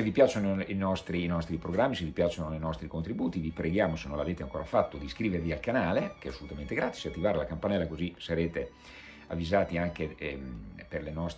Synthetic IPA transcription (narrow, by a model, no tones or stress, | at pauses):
sevipjaːt͡ʃonoinɔst̪ɾiːnɔst̪ɾipɾoɡɾamːisevipjaːt͡ʃonoinɔst̪ɾikont̪ɾibuːt̪ivipɾeɡjaːmosenːõnlaveːt̪eaŋkoːɾafat̪ːod̪iskɾiːveɾvialkanaːlekeɛasːolut̪ament̪eɡɾaːt̪i̥sat̪ːivaːɾelakampanɛlːakozisaɾeːt̪e | a̰vːizaːt̪iaŋkemperlenɔst̪